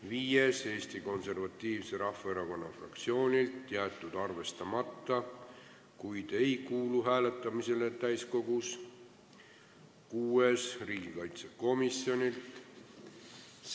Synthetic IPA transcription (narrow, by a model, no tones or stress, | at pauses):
viːje̞se̞ːst̪iko̞nse̞rvɑt̪ːˑiːvse̞ɾɑhːɑe̞ɾɑko̞nːɑfrɑ̰kt̪sio̞ːnʲilt̪ːjæːt̪ːˑud̪̥ɑrve̞st̪ɑmɑt̪ːˑɑ | kujd̪̥e̞jkuːluɦæːle̞t̪ːˑɑmise̞le̞t̪æjsko̞ɡ̥us | kuːe̞sriːɡikɑjt̪seko̞misjo̞nʲilt̪